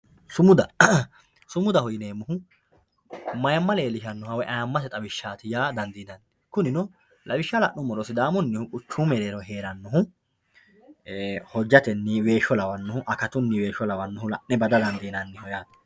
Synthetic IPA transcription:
sʊmʊd̪ɐ | sʊmʊd̪ɐhɔjɪneːmːʊɦʊ | mɐjɐmːɐleːlɪʃɐnːɔhɐwɛʔɐjɐmːɐsɛt̪ʼɐwɪʃːaːt̪ɪjaːd̪ɐnd̪iːnɐnːɪkʊnɪnɔ | lʔɐwɪʃːɐlɐʔnːʊmːɔɾɔsɪd̪aːmɔnːɪhʊkʼʊt͡ʃːuːmɛɾeːɾɔɦe̞ːɾɐnːɔhʊ | hɔd͡ʒːɐt̪ɛnːɪwe̞ːʃɔlɐwɐnːɔhʊʔɐkɐt̪ʊnːɪwe̞ːʃɔlɐwɐnːɔɦʊlɐ̰ʔnɛbɐd̪ɐd̪ɐnd̪iːnɐnːɪhɔjaːt̪ɐ̥

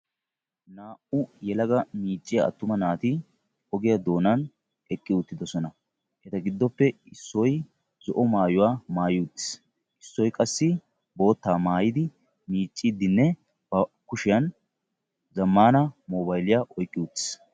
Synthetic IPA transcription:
naːʔʊjɛlɐɡɐmiːt͡ʃʼːɪjaɐ̰t̪ːʊmɐnaːt̪ɪ | ɔɡɪjɐd̪o̞ːnɐn | ɛkʼːɪʊt̪ːɪd̪ɔsɔnɐ | ʔɛt̪ɐɡɪd̪ːɔpːɛ | ɪsːɔj | zɔʔɔmaːjʊwaːmaːjut̪ːɪ̥s | ʔɪsːɔjkʼɐsːɪ | bo̞ːt̪ːaːmaːjɪd̪ɪ | miːt͡ʃʼːid̪ːɪnːɛ | b̥ɐkʊʃɪjɐn | zɐmːaːnɐmoːbɐjlɪjaʔɔjkʼːɪʊt̪ːɪ̥s

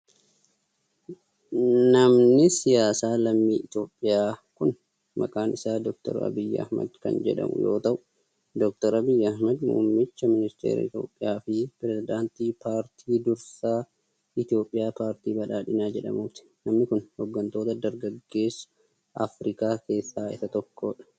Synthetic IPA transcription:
nɐmnɪsɪjaːsaːlɐmːiːʔɪt̪jo̞ːpʼːɪjaːkʊn | mɐ̰kʼaːnɪsaːd̪ɔk̚t̪ɔ̰ɾɐ̰bɪjːɐ̰hmɐ̰d̪kɐ̰nd͡ʒɛ̰ᶑɐ̰mʊ̰jo̞̰ːt̪ɐʔʊ | d̪ɔk̚t̪ɔɾɐbɪjːɐhmɐd̪mṵːmːɪt͡ʃːɐmɪnɪst̪eːɾɐ̰ɪ̰t̪jo̞̰ːpʼːɪjaːfɪpɪɾɛzɪd̪aːnt̪iːpaːɾt̪ʰiːd̪ʊɾsaː | ʔɪt̪ɪjo̞ːpʼːɪjaːpaːɾt̪iːbɐᶑaːᶑɪnaːd͡ʒɛᶑɐ̰mʊft̪ɪ̥nɐmnɪkʊnhɔɡːɐnt̪oːt̪ɐd̪ɐɾɡɐɡːe̞ːs | ʔɐ̰fɾɪkaːke̞ːsːaːɪsɐt̪ɔkːo̞ːᶑɐ̥

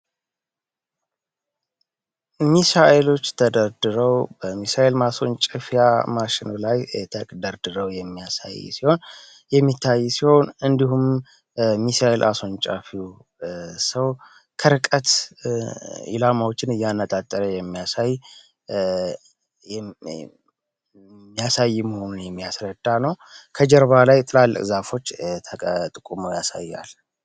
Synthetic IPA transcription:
misaʔelo̞t͡ʃːt̪ʰəd̪əɾd̪ɨɾəwbəmisaʔelmaso̞nt͡ʃʼəfijamaʃɪnlajt̪ʰəd̪əɾd̪ɨɾəwjɛmːijasa̰jsiho̞n | jɛmːit̪ʰːajːsiho̞nɨnd̪ihum | misaʔelʔaso̞nt͡ʃʼa̰fiw | səw | kʰəɾɨkʼət̪ | ḭlamawot͡ʃːɪnɨjːanːət̪ʼat̪ʼːəɾəjɛmːijasaj | mːijasajːɪməho̞nunjɛmːijasɾəd̪ːanəwkʰəd͡ʒɛɾβalajt̪ʼɨlalːə̰kʼzafo̞t͡ʃːt̪ʰət̪ʼɨkʼumojasa̰jːa̰l

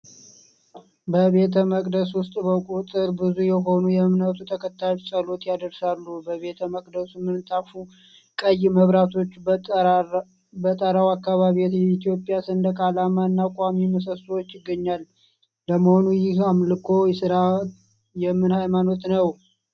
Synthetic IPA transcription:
bəβe̞t̪ʰəməkʼd̪əswʊst̪ʼbəkʼut̪ʼɨɾbɨzujɛɦo̞nujɛmnawt̪ʰut̪ʰəkʰət̪ʰːajot͡ʃsəlo̞t̪jad̪əɾsalːubəβe̞t̪ʰəməkʼd̪əsumːɨnt̪ʼafu | kʼəjːɪməβɾat̪ʰo̞t͡ʃː | bət̪ʼəɾawakːaβaβiot̪jɛit̪ʰijo̞pʼːjasɨnd̪əkʰʼalamaɨnːakʼamiməs̬əswot͡ʃːjɪɡːəɲːal | ləməho̞nujɪhamlɨkʰo̞jsɨɾa | jɛmːɨnhajmano̞t̪nəw

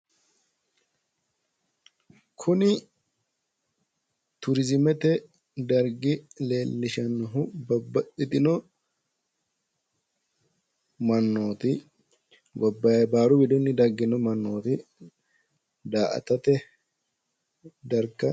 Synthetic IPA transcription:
kʰʊnɪ | t̪ʊɾɪzɪmɛt̪ɛ | d̪ɐɾɡɪle̞ːlːɪʃɐnːʊɦʊbɐbːɐʔɪt̪ʼɪnɔ | mɐnːoːt̪ɪ | ɡɔbːɐjɐbaːɾʊbɪd̪ɔnːɪd̪ɐɾɡɪnɔmɐnːoːt̪ɪ | d̪aːʔɐ̰t̪ɐt̪ɛ | d̪ɐɾkːɐ

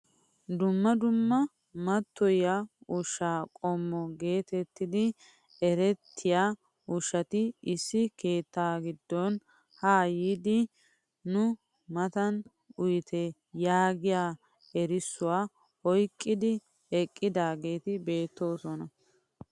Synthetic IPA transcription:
d̪ʊmːɐd̪ʊmːɐ | mɐt̪ːɔjaʊʃːaːkʼɔmːɔɡe̞ːt̪ɛt̪ːɪd̪ɪ | ɛɾɛt̪ʰːɪjaː | ʊʃɐt̪ɪɪsːɪke̞ːt̪ːaːɡɪd̪ːɔn | hajiːd̪ɪ | nʊ | mɐt̪ɐn | ʊjt̪ʰɛ | jaːɡɪjaː | ɛɾɪsːʊwaː | ɔjkʼːɪd̪ɪ | ɛkʼːɪd̪aːɡe̞ːt̪ɪbe̞ːt̪ːo̞ːsɔnɐ

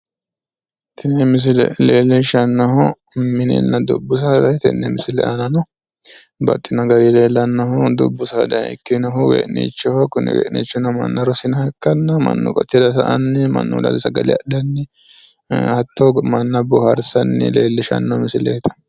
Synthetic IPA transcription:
t̪ʰɛmɪs̬ɪlɛ̰leːlːɛʃɐnːɐɦɔ | mɪnɛ̰nːɐd̪ʊbːʊs̬ɐd̪ɐjt̪ɛnːɛmɪsɪlɛ̰ʔɐnɐnɔ | bɐ̰t̪ʼːɪnɐɡɐɾileːlːɐnːɐhʊd̪ʊbːʊsɐd̪ɐɛ̰kːɪnɐɦʊɡḛːʔnḭːt͡ʃːɔhɔkʊnɪ̰wḛːʔnḭːt͡ʃːɔnɐmɐ̰nːɐɾɔsɪnɐhɛkːɐnːɐmɐ̰nːʊ̰kʼɔ̰t̪ːɪd̪ɐsɐʔɐnːɪmɐ̰nːʊ̰d̪ɐ̰lsɐɡɐlɪɐ̰ɗɐnːɪ | ɐt̪ːɔmɐnːɐbʊhɐɾsɐnːɪ̰leːlːɛʃɐ̰nːɐhmɪsɪleːt̪ɐ̥

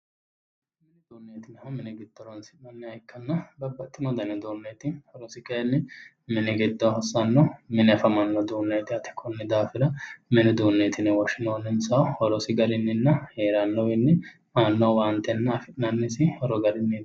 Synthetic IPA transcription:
mmɪnɛd̪uːnːeːt̪ɪnhɐmnɛɡɪd̪ːɔɾɐnsɪnɐnːɪɐjkːɐnːɐbɐbːɐt̪ʼːɪnɔd̪ɐnɛd̪oːnːeːt̪ɪhɔɾɔsɪkʼɐjɛnːɪ | mɪnɪɡɛd̪ːɔhɐsːɐnːɔmɪnɪɐfɐmɐnːɔd̪uːnːeːt̪ɪɐt̪ʰɪ̥kʰʼɔnːɪd̪aːfɪɾɐmɪnɛd̪uːnːeːt̪ʰɪnɪwɔʃɪnoːnːɪnsɐhɔɾɔsɪɡɐɾɪnːɪnːɐheːɾanːɔwɪnːɪ | maːnːɔwaːnt̪ɛnːɐːfɪnɐnːɪsɪhɔɾɔɡɐɾɪnːɪ

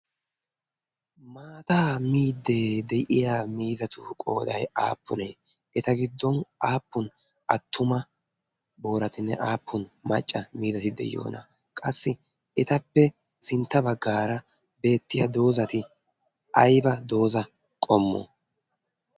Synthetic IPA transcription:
maːt̪aːmiːd̪ːe̞ːd̪ɛjʔɪjaːmiːzɐt̪ʊkʼo̰ːd̪ɐ̰ja̰ːpːʊne̞ː | ɛt̪ɐɡɪd̪ːɔnaːpːʊn | ʔɐt̪ʰːʊmɐ | bo̞ːɾɐt̪ɪnːɛ̰ʔaːpʰːʊnmɐt͡ʃʼːɐmiːzɐt̪ɪd̪ɛ̰jːo̰ːnɐ̰ | kʼɐsːɪ | ɛt̪ɐpːɛ | sɪnt̪ːɐbɐɡːaːɾɐ | be̞ːt̪ːɪjɐd̪o̞ːzɐt̪ɪ | ʔɐjbɐd̪o̞ːzɐ | kʼɔmːo̰ː

